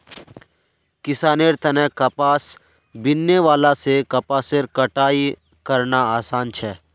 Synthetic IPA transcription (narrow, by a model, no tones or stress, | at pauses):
kɪsaːneːɾt̪ɐnɛ̃kɐpaːs | bɪnːeʋaːlasekɐpaːseːɾkɐʈaːi | kɐɾnaaːsaːnt͡ʃʰɛː